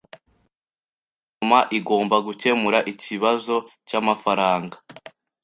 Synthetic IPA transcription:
ɲ | omaʔiɡo̞ːmbaɡuce̞muɾaʔiciβazo̞camafaɾaːŋɡḁ

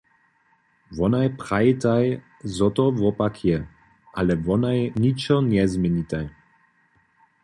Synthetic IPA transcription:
vɔnajpɾajit̪aj | zɔt̪ɔvɔpakʰjɛ | ʔalɛvɔnajɲit͡ʃɔnɛzmjɛɲit̪aj

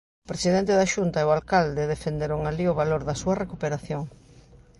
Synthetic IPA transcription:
pɾesiðent̪eðɐʃunt̪ɐeoalkald̪eðefend̪eɾoŋaliʊβaloɾðɐsuɐrekupeɾaθjoŋ

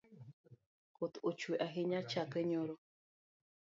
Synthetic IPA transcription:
kot̪ot͡ʃweʔaɦiɲat͡ʃakəɲoɾo

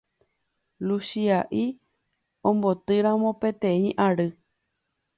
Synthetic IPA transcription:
lusiaʔi | õmbot̪ɨɾãmõpet̪ẽĩʔaɾɨ

